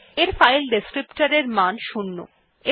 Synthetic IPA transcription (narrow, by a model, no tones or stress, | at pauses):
eɾfajlɖeskɾipʈaɾeɾmanʃunːo̰ | e